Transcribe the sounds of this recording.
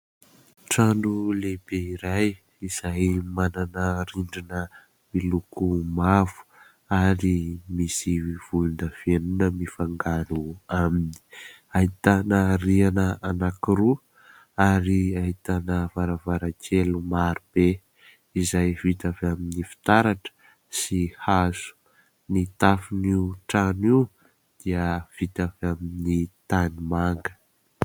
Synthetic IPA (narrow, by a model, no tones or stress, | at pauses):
ʈ͡ʂaɳɖ͡ʐuleb̥eiɾaj | iz̥ajmananəɾiɳɖ͡ʐinə | milukʰumavu̥ | aɾimisiv̥ulunəv̥ienunəmifaŋɡanuamini̥ | ait̪anərianəanakiɾu | aɾiaɦit̪anəvaɾavaɾakʰelumaɾub̥e | izajvit̪avaminifi̥t̪aɾaʈ͡ʂə̥ | sihaz̥u̥ | nit̪afiniuʈ͡ʂani | d̪̥iəv̥it̪avaminit̪animaŋɡə̥